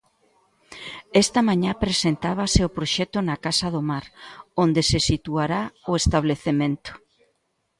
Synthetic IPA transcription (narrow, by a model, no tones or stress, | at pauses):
ɛst̪ɐmãɲapɾesent̪aβ̞aseopɾoʃɛt̪ʊnakasaðomaɾond̪esesit̪uaɾaoest̪aβ̞leθemẽnt̪ʊ̥